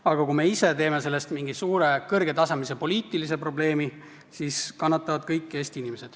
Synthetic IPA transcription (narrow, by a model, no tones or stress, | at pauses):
ɑɡ̥ɑkume̞ise̞t̪e̞ːmese̞lːe̞st̪miŋɡisuːɾe̞kɤrɡ̥e̞t̪ɑsɑmise̞po̞liːt̪ːˑilis̬e̞pro̞ble̞ːmi | siːskɑnːɑt̪ːˑɑvɑd̪̥kɤjkːe̞ːst̪iinimese̞d̪̥